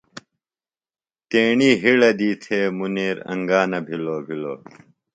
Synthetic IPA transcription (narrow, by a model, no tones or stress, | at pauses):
t̪eːɳiːɦiɭɐd̪iːt̪ʰeːmuniːɾɐ̰̃ŋɡaːnɐbʱiloːbʱiloː